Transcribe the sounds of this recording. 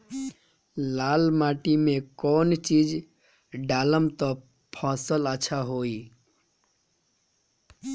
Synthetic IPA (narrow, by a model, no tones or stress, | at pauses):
lalmaʈimekɔnt͡ʃid͡ʒ | ɖaləmt̪ɔ | pʰɔsələːt͡ʃʰaɦoi